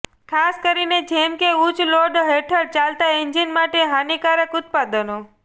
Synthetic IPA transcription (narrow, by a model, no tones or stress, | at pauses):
kʰaskəɾined͡ʒemkeut͡ʃloɖɦeʈʰəɽt͡ʃalt̪aind͡ʒinmaʈeɦanikaɾəkʊt̪̚pad̪ənõ